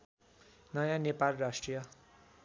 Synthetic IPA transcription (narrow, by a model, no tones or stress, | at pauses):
nʌjãnepalrasʈrijʌ